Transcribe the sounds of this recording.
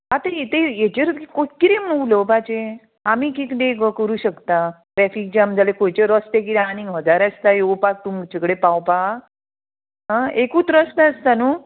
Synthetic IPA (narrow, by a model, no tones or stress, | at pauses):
ɦat̪ejet̪ejet͡ɕeɾt̪kikoʈkiɾem̤ə̃uulobad͡ʑe | amiːkikd̪ekəkəɾuːɕəkt̪a | ʈɾɛfik̚d͡ʑeamd͡zalekojt͡ɕeɾɔst̪ek̬iɾanĩŋɦəd͡zaɾast̪ajowpak̚t̪um̚t͡ɕekɽepawpa | ɦãekuːt͡sɾɔst̪aəst̪anu